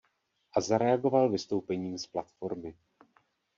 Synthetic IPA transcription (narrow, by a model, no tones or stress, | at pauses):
ʔazaɾɛaɡo̞valvɪst̪o̞wpɛɲiːmsplat̪fo̞ɾmɪ